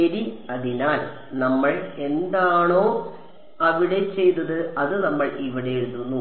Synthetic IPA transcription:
eɾiɐðinaːl | nɐmːɐɭe̞nd̪aːɳoː | ɐʋiɽe̞t͡ɕe̞jt̪ːɐðɨɐðɨnɐmːɐɭiʋiɽe̞eɻuðunːu

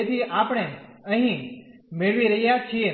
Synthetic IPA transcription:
et̪ʰiʔapɽ̃eəɦĩmeɭʋiɾəɦjat͡ʃʰie

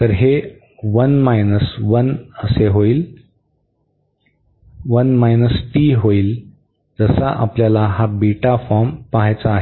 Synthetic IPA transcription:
t̪əɾɦe | ʋənmajnəsʋənəseɦoiːl | ʋənmajnəsʈiɦoiːl | d͡zəsaʔapljalaɦabiʈafɔɾmpaɦajt͡saːɦe

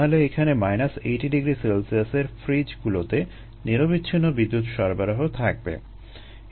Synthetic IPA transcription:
oleekʰanemajnaseʈiɖiɡɾiselsiaseɾfɾid͡ʑɡulot̪e | niɾobitːɕʰinːobid̪ːut̪ʃɔɾbaɾoɦot̪ʰak̚bḛ

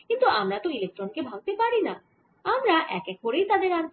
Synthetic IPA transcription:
kint̪uamɾat̪oilek̚ʈɾonkebʱaɡ̚t̪epaɾina | amɾaʔɛ̰kɛk̚poɾejt̪ad̪eɾant̪

